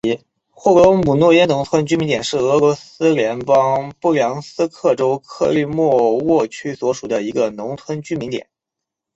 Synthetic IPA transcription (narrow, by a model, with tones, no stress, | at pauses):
xwɔ˥˩lɔ˧˥mu˨˩nwɔ˥˧jɛ˥nʊ˧˥ŋt̪ʰwə˥nt͡ɕy˥mi˧˥nt̪jɛ˨˩nʂɻ̩˥˩ɤ˧˥lwɔ˧˥sɹ̩˥ljɛ˧˥npɑ˥ŋpu˥˩ljɑ˧˥ŋsɹ̩˥kʰɤ˥˩ʈ͡ʂo˥ʊkʰɤ˥˧ly˥˧mwɔ˥˧wɔ˥˩t͡ɕʰy˥swɔ˧˥ʂu˨˩d̪ə˦i˧˥ɡə˧nʊ˧˥ŋt͡s̪ʰwə˥nt͡ɕy˥mi˧˥nt̪jɛ̰˨˩˦n